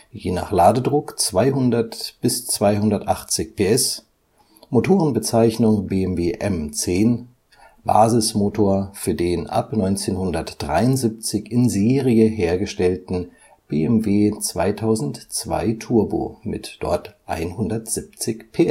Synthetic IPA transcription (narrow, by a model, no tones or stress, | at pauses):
jeːna̰ːχlaːdədʁʊkt͡sv̥aɪɦʊndɐtb̥ɪst͡sv̥aɪhʊndɐtʔaχt͡sɪçpʰeːʔɛs | motʰoːʁənbət͡saɪçnʊŋbeːɛmveːʔɛmt͡seːn | b̥a̰ːzɪsmoːtʰoːɐfyːɐdeːnʔa̰pnɔʏnt͡seːnhʊndɐtd̥ʁa̰ɪʊntzip̚t͡sɪçɪnzeːʁiəɦeːɐɡəʃtɛltn̩ | b̥eːɛmveːt͡sv̥a̰ɪtʰaʊzn̩tt͡sv̥a̰ɪtʰuɐbo̰ːmɪ̰td̥ɔ̰ɐtʔa̰ɪnhʊndɐtz̥ip̚t͡sɪçpʰeːʔɛs